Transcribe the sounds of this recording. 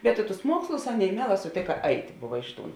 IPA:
bʲɛt ɪ tʊs ˈmuɔkslˠʊs ˈɑːˌnʲeːɪ ˈmʲiɛˌlˠɑː sʊˈtʲeːkɐ ˈɐɪtʲ ˈbʊʋɐ ˈɪʃ ˌtuːn

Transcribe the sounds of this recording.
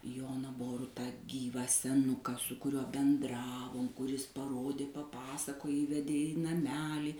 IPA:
ˈjoːnɐ ˈboːrʊtɑː ˈɡʲiːʋɑː sʲɛˈnʊkɑː sʊ kʊˈrʲuɔ bʲɛnˈdrɑːʋoːm kʊˈrʲɪs pɐˈroːdʲeː pɐˈpɑːsɐkoːj ˈiːʋʲɛdʲeː ɪ nɐˈmʲæːlʲiː

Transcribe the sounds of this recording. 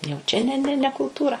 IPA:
jɛʊ ˈt͡ʃʲɛ nʲɛ ˈnʲɛ nʲɛ kʊlˠˈtuːrɐ

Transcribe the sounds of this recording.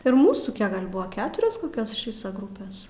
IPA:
ɪr ˈmuːsuː ˈkʲiɛk ɡɐlʲ ˈbʊɐ ˈkʲæːtʊrʲoːs koːˈkʲoːs ɪʃ ˈʋʲɪsɐ ˈɡrʊpʲeːs

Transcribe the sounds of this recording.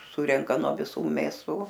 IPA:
ˈsʊrʲɛŋkɐ nuɔ ʋʲɪˈsuː mʲeːˈsuː

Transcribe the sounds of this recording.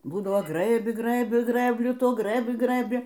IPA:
ˈbuːdɐʋoː ˈɡrɘbʲɪ ˈɡrɘbʲɪ ˈɡrɘbʲlʲʊ ˈtuɔ ˈɡrɘbʲɪ ˈɡrɘbʲɪ

